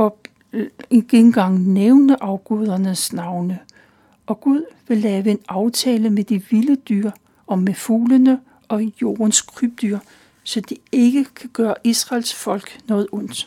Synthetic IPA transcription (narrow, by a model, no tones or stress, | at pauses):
ɒ | eɡ̥eɡn̩ɡ̥ɑ̈ŋ̰neʊnəʔɑ̈ʊɡ̥ɔð̞ˠɐnəsnɑ̈ʊnə | ʔɒ̽ɡ̥uð̞ˠʋe̝lːɛːʋəe̝nɑ̈ʊt͡sʰɛːləmed̥iʋiləd̥yɐ̰ | ɒ̽mːefuːlənə | ɒ̽jo̝̰ːɐnskʰʁyb̥̚d̥yɐ̰ | sɒ̽d̥ie̝ɡ̥əkʰæɡ̥ɶːɐʔisʁɑ̈lsfɒ̽l̰ɡ̥nɔ̽ːð̩ˠɔ̽n̰d̥